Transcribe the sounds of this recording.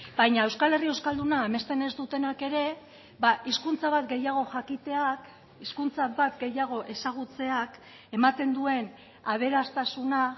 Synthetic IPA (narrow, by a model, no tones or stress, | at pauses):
bajɲae̞wskale̞rie̞wskald̪unaeme̞st̪e̞ne̞zd̪ut̪e̞nake̞ɾe̞ | baiskunt͡saβat̪ɡe̞jaɣ̞o̞xakit̪e̞ak | iskunt͡sabat̪ɡe̞jaɣ̞o̞ʔe̞saɣ̞ut͡se̞ak | e̞mat̪e̞nd̪ue̞n | aβ̞e̞ɾast̪asuna